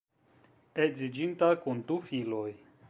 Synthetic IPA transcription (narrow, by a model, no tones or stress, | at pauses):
ezid͡ʒintakundufilo̞j